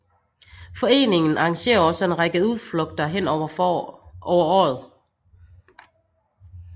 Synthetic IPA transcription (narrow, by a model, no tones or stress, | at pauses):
fɒ̽e̝̰ːne̝ŋn̩ʔɑ̈ɑ̈ŋɕe̝̰ːɐɒ̽səe̝nʁaɡ̥əuð̞ˠflɔ̽ɡ̥̚d̥ɐɦen̰ɒ | ʔɒʊɐɒ̰ːð̩ˠ